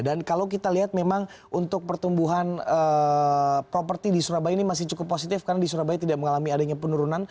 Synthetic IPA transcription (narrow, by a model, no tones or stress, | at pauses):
dankalawk̬it̪aliɦat̪̚memaŋʔunt̪ʊk̚pərt̪umbuɦanə | pɾopərt̪idisuɾabajnimas̬ɪht͡ʃukʊpːosit̪ɪfkarnadisuɾabait̪idaʔməŋalamiadaɲapənuɾunan